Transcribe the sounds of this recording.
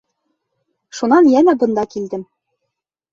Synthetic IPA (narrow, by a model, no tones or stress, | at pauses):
ʃunɑnjæmæbɤ̆nd̪ɑkild̪ɘm